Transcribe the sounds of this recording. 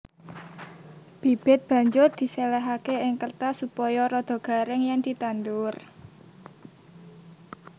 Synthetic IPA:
b̥i̤b̥ɪ̤t̪̚b̥ä̤ɲd͡ʒʊrd̪̥i̤sɛlɛɦakeɪŋkərt̪asupɔjɔɾɔd̪̥o̤ɡ̥a̤ɾɪŋjaŋd̪̥i̤t̪and̪ʊr

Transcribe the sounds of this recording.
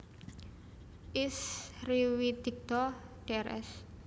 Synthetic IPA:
ʔisriwid̪̥ik̚t̪ɔɖ̥eɛɾʔɛ̰s

